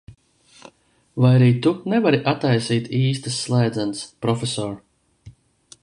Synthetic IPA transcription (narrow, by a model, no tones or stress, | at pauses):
vajaɾiːt̪unɛvaɾiʔat̪ajsiːt̪iːst̪əsːlˠajd̪zanspɾɔfesɔːɾ